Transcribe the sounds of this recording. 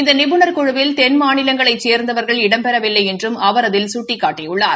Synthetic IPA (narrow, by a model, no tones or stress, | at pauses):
ɪnd̪ɐnɪbɯnɐɾkʊɻɯʋɪlt̪ɛnmaːnɪlɐŋɡɐɭɐɪt͡ʃeːɾnd̪ɐʋɐɾɣɐɭɪɽɐmpɛɾɐʋɪlːɐɪɛndrɯmɐʋɐɾɐðɪlsʊʈːɪkːaːʈːɪjʊɭːa̰ːɾ